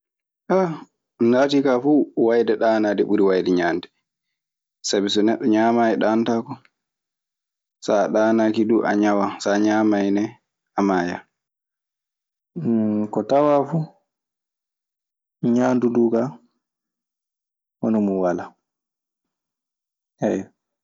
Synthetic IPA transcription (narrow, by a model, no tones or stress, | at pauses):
ʔa | mnatiːkafuwajdɛɗaːnaːdɛɓuɾiwajdɛɲaːndɛ | sabisɔnɛɗːɔɲamaɛɗantakɔ | saɗaːnaːkiduʔa̰ɲawasaɲaːmajnɛ | amaːja̰ | kɔtawafuː | ɲaːnduduːɡa | wɔ̰nɔmuwala | hɛj